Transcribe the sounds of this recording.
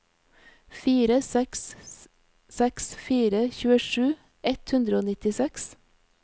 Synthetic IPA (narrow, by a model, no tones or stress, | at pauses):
fiːɾəsɛks | sɛksfiːɾəçʉːəʃʉː | ɛt̪hʉnd̪ɾəoːnɪt̪ɪsɛks